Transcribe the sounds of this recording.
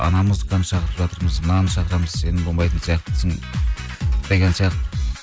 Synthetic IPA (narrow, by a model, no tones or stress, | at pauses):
ɑ̰nɑməzd̪əqʰɑnəʃɑqəɾəpʒɑt̪əɾməznɑnəʃɑqəɾɑməz̥se̞nɪŋbolˠmɑjt̪ənsijɑqt̪əd̪ɪsɪŋ | d̪̥eɡʲensijɑqt̪